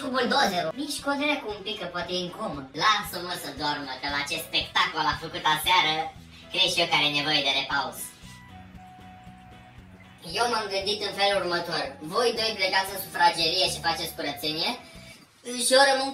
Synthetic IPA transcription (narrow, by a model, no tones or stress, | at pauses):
kumuld̪ozeɾoniʃkozeɾeakuːmpikəpoat̪eiŋkomod̪lasəməsəd̪oarməkəlaːt͡ʃe̞st̪spe̞kt̪akolafəkut̪aseaɾə | kɾeʃiokaɾene̞vo̞je̞d̪e̞ɾe̞pauz | je̞wmamɡɨnd̪it̪ɨnfe̞lurmət̪o̞rvo̞jd̪o̞jpleɡat̪sɨnsufɾad͡ʒeɾijeʃifat͡ʃet̪sʲkuɾət̪senie | ɨʃo̞ɾəmɨn